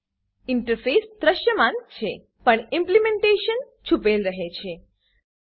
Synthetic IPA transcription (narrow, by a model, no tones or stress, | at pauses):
iɳʈəɾfesd̪ɾəʃjəmãnt͡ʃʰe | pəɳĩmplimẽɳʈeʃən | t͡ʃʰupelɾəɦet͡ʃʰe